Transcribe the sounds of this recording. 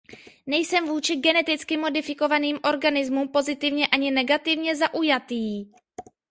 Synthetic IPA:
nɛjsɛmvuːt͡ʃɪɡɛnɛt̪ɪt͡skɪmo̞dɪfɪko̞vaniːmʔo̞ɾɡanɪzmumpo̞zɪt̪ɪvɲɛʔaɲɪnɛɡat̪ɪvɲɛzaʔujat̪iː

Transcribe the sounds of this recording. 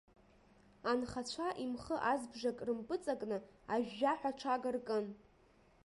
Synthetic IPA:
anχat͡ɕʷʰaʔimχəʔazbʐakʼrɨmpʼɨt͡sʼakʼnɨaʒᶣːaħʷᶣaʈ͡ʂʰaɡarkʼɨn

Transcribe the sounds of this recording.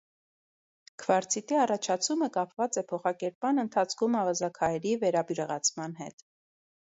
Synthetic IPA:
kʰvɑɾt͡sʰit̪iɑrɑt͡ʃʰɑt͡sʰuməkɑpvɑt͡sɛpʰɔχɑkɛɾp̚mɑnənt̪ʰɑt͡sʰkʰumɑvɑzɑkʰɑjɛɾivɛɾɑbjuɾəʁɑt͡sʰmɑnɦɛ̰t̪

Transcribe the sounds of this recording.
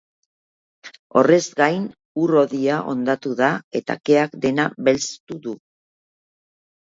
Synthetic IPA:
o̞re̞zɡajn | uro̞ðiaʔo̞nd̪at̪uðae̞t̪a̰ke̞akd̪e̞naβe̞lt͡st̪uðu

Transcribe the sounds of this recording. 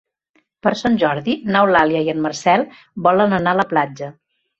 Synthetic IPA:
pəɾsanʲʒɔɾðinawlaljəiənmərsɛlˠ | bɔlənənaələplad͡ʒə

